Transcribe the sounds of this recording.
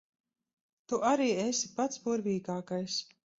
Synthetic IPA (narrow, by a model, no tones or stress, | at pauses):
t̪uʔaɾiːesi̥pat̪sbuɾvʲiːɡaːkajs